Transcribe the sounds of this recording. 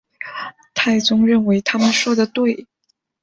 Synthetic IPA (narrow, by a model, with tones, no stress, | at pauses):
t̪ʰa˥˩ɪt͡sʊ˥ŋɻə˥˩nwe˧˥ɪt̪ʰa˥mə˨nʂwɔ˥d̪ə˨t̪we˥˩ɪ